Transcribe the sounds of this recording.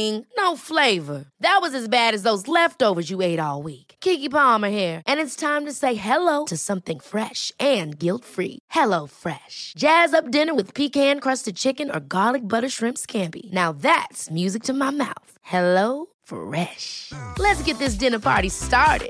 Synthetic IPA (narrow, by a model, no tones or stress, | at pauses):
ɪ̃ŋnoʊfleɪvə˞ðɨt̚wʌzɨzbæɾɨzðoʊzlɛftoʊvə˞zjɨeɪɾɔlˠwikkʰikipɑmə˞hɛɹʔɨ̃nɨtstʰãɪ̃mtɨseɪɦɛloʊɾɨsʌ̃mθɪ̃ŋfɹɛʃʔɨ̃nɡɪlˠtfɹḭhɛloʊfɹɛʃd̥ʒ̥æzʌp̚d̥ɪ̃nə˞wɨð̥pʰikhæ̃nkʰɹ̥ʌstɨd̚t͡ʃʰɪkɨ̃nə̰˞ɡɑlˠik̚bʌɾə˞ʃɹɪ̃mskʰæ̃mpḭnaʊðætsmjʉzɨk̚tʰɨmaɪma̰ʊθhɛloʊ | fɹɛʃlɨtsɡ̥ɛt̪̚ðɪs̬d̥ɪ̃nə˞pʰɑ̰ɹɾistɑɹɾɪ̰d̥